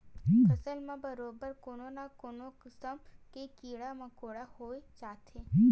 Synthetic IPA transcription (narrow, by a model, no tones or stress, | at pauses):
kɐsəlmẽbɐɾoːbəɾkoːnonakoːnokɪsəmkekiːɽamɐ̃koːɽahoːet͡ʃaːt̪ʰeː